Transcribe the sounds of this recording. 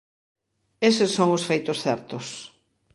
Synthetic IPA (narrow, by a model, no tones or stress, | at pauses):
esɪsːoŋʊsfejt̪ʊsθɛɾt̪ʊs